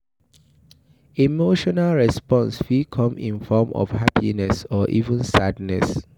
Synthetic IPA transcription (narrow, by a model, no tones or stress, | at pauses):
imoʃɔnalɹɛspɔ̃nsfikʰɔ̃mḭ̃nfɔmʔɔ̰fhapʰinɛsɔʔḭvə̃nsadnɛs